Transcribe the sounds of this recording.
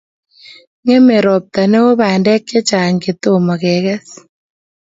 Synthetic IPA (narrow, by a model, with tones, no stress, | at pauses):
ŋe˦me˨ɾɔ˨p̚t̪a˨ne˦wo˦βa˨ndɛ˦kɛ˦t͡ʃa˨ŋɡe˨t̪o˦mɔ˨ɣɛ˨ɣɛ˦s